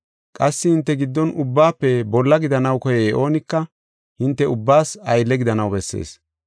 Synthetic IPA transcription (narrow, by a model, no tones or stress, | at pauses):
kʼɐsːɪhɪnt̪ːɛɡɪd̪ːɔnʊbːaːpːɛbɔlːɐɡɪd̪ɐnɐwkɔjɛːʔo̞ːnɪkːɐ | hɪnt̪ːɛʊbːaːsɐjlːɛɡɪd̪ɐnɐwbɛsːḛːs